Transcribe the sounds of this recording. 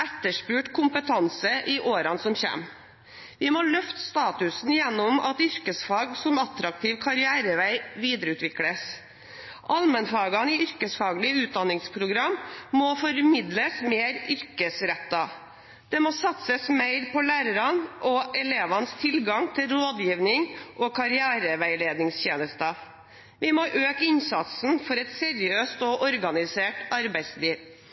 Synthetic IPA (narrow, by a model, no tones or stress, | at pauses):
ɛt̪ːəʂpʉːʈkʰʊmpət̪ʰɑnsəʔɪʔoːɾɑnsɔmçḛm | ʋɪmɔlœft̪st̪ɑːt̪ʉsn̩jɛnːʊmɑ̰t̪ʏɾkəsfɑːɡsɔmɑt̪ɾɑk̚t̪ʰiːʋkʰɑɾɪæːɾəʋæɪʋiːd̪ɾəʉːt̪ʋɪkləs | ʔɑlmənfɑːɡɑnɪʏɾkəsfɑːɡlɪəʉːt̪̚d̪ɑnːɪŋspʰɾʊɡɾɑmːɔfɔɾmɪd̪ləsmeːɾʏɾkəsɾɛt̪ːɑ | d̪̥ɛmɔsɑt̪səsmeɪɾpɔlæːɾəɾɑnʔɔʔɛleːʋɑnst̪ʰɪlɡɑŋt̪ʰɪlɾoːd̪jiːʋnɪŋʔɔkʰɑɾɪæːɾəʋæɪleːd̪nɪŋsçeːnəst̪ɑ | ʋɪmoʔøːkɪnsɑt̪sn̩fɔɾɛt̪sɛɾɪøːst̪ɔʔɔɾɡɑnɪseːʈɑɾbæɪsliːʋ